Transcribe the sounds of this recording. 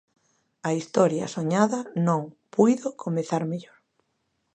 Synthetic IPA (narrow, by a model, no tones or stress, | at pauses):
ɐist̪ɔɾjɐ̰soɲaðɐnõŋpujðokʰomeθaɾmeʎoɾ